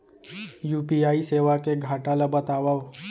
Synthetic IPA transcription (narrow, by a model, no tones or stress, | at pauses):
juːpiaːiseʋakeɡʱaʈalabət̪aʋaʋ